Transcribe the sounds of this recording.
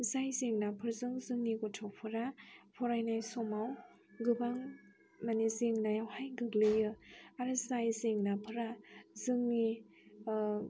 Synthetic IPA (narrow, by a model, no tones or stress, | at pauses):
zajzeŋnapʰɯɾzɯŋzɯŋniɡɔtʰawpʰɯɾapʰɔɾajnajsɔmaw | ɡɯbaŋ | manezeŋnajawhajɡɯɡlɯjɯaɾɯzajzeŋnapʰɯɾazɯŋni